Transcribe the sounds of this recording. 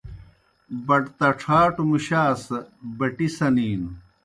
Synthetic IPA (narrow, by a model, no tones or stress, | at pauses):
bɐʈt̪ɐʈ͡ʂʰaːʈumuɕaːsbɐʈisɐniːn